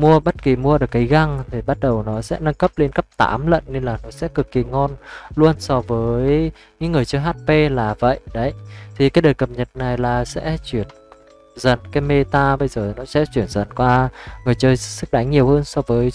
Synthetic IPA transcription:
mu˧əɓə˦˥t̚ki˨˩mu˧əɗɨ˨˩əkːa˨˦jɣa˧ŋt̪ʰi˨˩ɓa˦˥t̚ɗə˨˩wnɔ˨˦sɛ̰˧˥na˧ŋkə˦˥p̚le˧nkə˦˥p̚t̪a̰ː˨˦mlə̰˧˨nːe˧nlaː˨˩nɔ˨˦sɛ̰˧˥kɨ˨˩kːi˨˩ŋɔ˧nlu˧ənsɔ˧vəː˨˦j | ɲɨ̰˧˥ŋːɨ˨˩əjt͡ɕəː˧jɦaː˦˥t̚pe˧laː˨˩və̰˧˨jɗə˨˦jt̪ʰi˨˩kaː˨˦jɗəː˨˩jkə˨˩p̚ɲə˨˩t̚na˨˩jlaː˨˩sɛ̰˧˥t͡ɕwi˧˩ən | zə˨˩nkaː˨˦jme˧t̪aː˧ɓə˧jzəː˨˩nɔ˨˦sɛ̰˧˥t͡ɕwi˧˩ənzə̰˨˩nkwaː˧ŋɨ˨˩əjt͡ɕəː˧jsɨ˦˥k̚ɗa˨˦jŋ̟ɲi˨˩əwhəː˧nsɔ˧vəː˨˦j

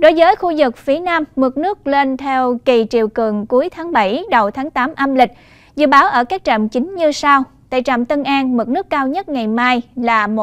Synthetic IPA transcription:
ɗo˨˦jvəː˨˦jxu˧zɨ˨˩k̚fi˨˦naː˧mːɨ˨˩t̚nɨ˦˥ək̚le˧nt̪ʰɛ˧wki˨˩t͡ɕi˨˩əwkɨ˨˩əŋku˨˦əjt̪ʰaː˨˦ŋɓa˧˩jɗə˨˩wt̪ʰaː˨˦ŋt̪aː˨˦mʔaː˧mlï˨˩k̟̚ | zɨ̰˧˨ɓaː˨˦wʔəː˧˩kaː˦˥k̚t͡ɕa̰˧˩mt͡ɕï˨˦ŋ̟ɲɨ˧sa˧w | t̪a̰˧˨jt͡ɕa̰˧˨˩mt̪ə˧nʔaː˧nmɨ˨˩t̚nɨ˦˥əkːaː˧wɲə˦˥t̚ŋa˨˩jmaː˧jlaː˨˩mo˨˩

